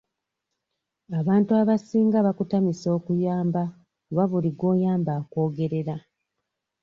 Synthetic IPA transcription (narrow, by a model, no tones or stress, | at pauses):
aβaːntuaβasiːŋɡaβakutamiso̞ːkujaːmba | βaβuliɡwo̞ːjaːmbaːko̞ːɡe̞ɾe̞ɾa